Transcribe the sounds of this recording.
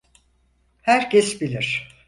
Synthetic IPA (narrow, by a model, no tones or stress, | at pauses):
hæɾcʰɛsbilʲiɾ̥